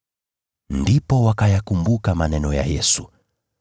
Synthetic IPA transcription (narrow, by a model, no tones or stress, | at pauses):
ndipɔwakajakumbukamanɛnɔja̰jɛsu̥